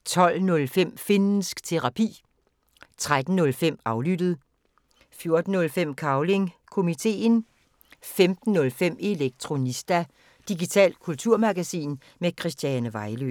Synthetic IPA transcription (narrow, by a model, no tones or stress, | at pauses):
t͡sʰɒ̽l̰nɔ̽lfem̰fenn̩sɡ̥t͡sʰe̝ʁɑ̈pʰḭː | t͡sʰʁad̥n̩ːɔ̽lfem̰ɑ̈ʊlyd̥ð̞̩ˠ | fjo̝ɐd̥n̩ːɔ̽lfem̰kʰɑ̈ʊle̝ŋkʰo̝mit͡sʰe̝̰ːn | femd̥n̩ːɔ̽lfem̰e̝leɡ̥̚t͡sʰʁo̝nisd̥æ | d̥iɡit͡sʰɛ̰ːl̥̚kʰult͡sʰuɐ̰mɑ̈ɡ̥æsḭːn | mekʰʁisd̥jænəʋɑ̈ɪlø